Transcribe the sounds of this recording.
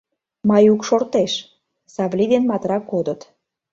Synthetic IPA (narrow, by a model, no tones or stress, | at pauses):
mɑjukʃort̪eʃ | sɑβlid̪enmɑt̪ɾɑkːod̪ət̪